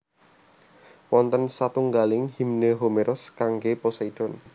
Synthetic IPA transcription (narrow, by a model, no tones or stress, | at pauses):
wɔnt̪ənsat̪uŋɡalɪŋhimnəɦomeɾʔɔskaŋɡepɔsɔid̥ɔn